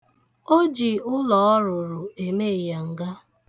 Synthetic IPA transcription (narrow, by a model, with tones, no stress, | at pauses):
o˦d͡ʒi˨ʊ˦lɔ˨ɔ˦ɾʊ˨ɾʊ˨e˨me˦˨ja˨ŋ̩˨ɡa˦